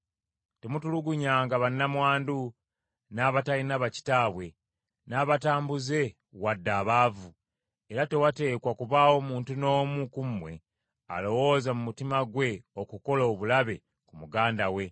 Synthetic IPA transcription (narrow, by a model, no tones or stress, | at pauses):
te̞mutuluɡuɲaːŋɡaβanːamwaːndu | naːβatalinaβaci̥taːβwe̞ | naːβataːmbuze̞ | wadːaːβaːvu | eɾate̞wate̞ːkwakuβaːwo̞muːntuno̞ːmukumwe̞̰ | a̰lo̞wo̞zamumutimaɡwe̞o̞kuko̞loːβulaβe̞ | kumuɡaːndawe̞